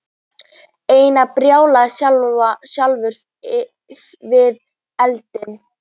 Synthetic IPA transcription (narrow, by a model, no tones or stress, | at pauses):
eːjnapɾjaːwlasjalasjalvʏɾ̥θ | vɪð | ɛlt̪ɪn